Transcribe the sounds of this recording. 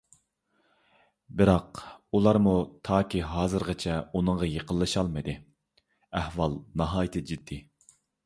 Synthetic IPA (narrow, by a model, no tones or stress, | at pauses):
bɪɾɑqulˠɑɾmut̪ʰɑːkʲiɦɑːzɨɾʁət͡ʃʰɛunəŋʁɑjəqʰəlˠːɨʃɑlˠmɨd̪ɨ | æhwɑlˠnɑɦɑːjɪt̪ʰɪd͡ʒid̪ːi